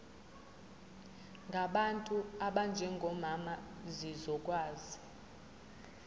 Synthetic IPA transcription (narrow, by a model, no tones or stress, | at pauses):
ŋɡʱaɓantʼuaɓand͡ʒʱɛŋɡʱɔmamazizɔkʼwaːzi